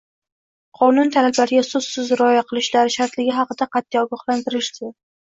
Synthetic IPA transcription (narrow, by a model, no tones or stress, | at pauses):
qʰɒnʊnt̪ʰalablaɾɪɡʲasʊzsɪzɾɒjaqʰɨlˠɪʃlaɾɪʃaɾt̪lɪɡʲɪɦɑqɨd̪aqʰɑt̪ʰːijɒɡɒhlˠant̪ɪɾɪʃd̪ɪ